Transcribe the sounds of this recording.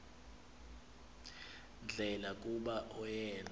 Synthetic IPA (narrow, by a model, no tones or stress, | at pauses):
nd͡ɮʱɛlakʼuɓaʔɔjɛːn